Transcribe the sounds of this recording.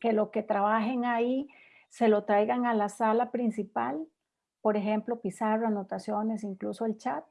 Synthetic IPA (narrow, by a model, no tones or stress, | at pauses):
kelosket̪ɾaβaxeŋai | selot̪ɾajɡaŋalasalapɾinsipal | poɾexemplopisaranot̪asjonesiŋklusoelt͡ʃat̪̚